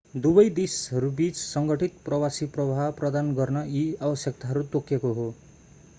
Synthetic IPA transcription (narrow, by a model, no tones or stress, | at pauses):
d̪ubʌjd̪esɦʌɾubit͡ssʌŋɡʌʈʰit̪̚prʌwasiprʌbʱaprʌd̪anɡʌrnʌiabʌsjʌk̚t̪aɦʌɾut̪okːekoɦo